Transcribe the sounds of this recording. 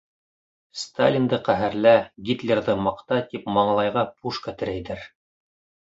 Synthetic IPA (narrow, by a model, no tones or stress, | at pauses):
st̪alʲind̪ɤqæɦɘɾlæɡʲit̪lʲerðɤmɑqt̪ɑt̪ipmɑɴɑlˠɑjʁɑpuʃkat̪ɘ̆ɾæjðɘɾ